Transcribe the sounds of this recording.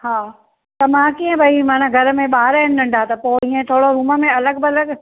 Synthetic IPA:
haː | t̪ɐmãːkiːə̃bʱaimãːnãɡʱɐɾəmẽɓaːɾəɦɪnɗɐ̃ɳɖʱaːt̪ɐpoːĩːẽt̪ʰoːɽoɾuːməmẽɐləɡbɪɐləɡ

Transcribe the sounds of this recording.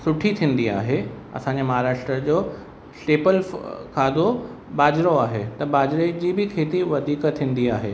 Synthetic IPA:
sʊʈʰit̪ʰĩːn̆d̪ia̰ːɦe | ɐ̰sãːɲd͡ʑemɐɦaːɾaːʃʈɾəd͡ʑoː | sʈeːpəlkʰaːd̪o | baːd͡ʑɾoaːɦet̪ɐbaːd͡ʑɾed͡ʑiːbɪkʰeːt̪iʋɐd̪ʱiːkt̪ʰːĩːn̆d̪iaːɦeː

